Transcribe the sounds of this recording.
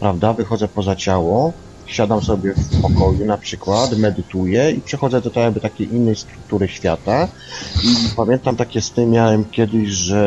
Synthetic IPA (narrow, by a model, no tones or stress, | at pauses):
pɾavd̪avɘxɔd̪zɛpɔzat͡ɕawɔ | ɕad̪amsɔbʲjɛfpɔkɔjunapʂɘkwat̪mɛd̪ɘt̪ujɛipʂɛxɔd̪zɛd̪ɔt̪ɔjaɡ̚bɘt̪akʲejinːɛjst̪ɾuk̚t̪uɾɘɕfʲjat̪a | ipamʲjɛnt̪amt̪akʲɛst̪ɘmʲjawɛmkʲjɛd̪ɘʑʐɛ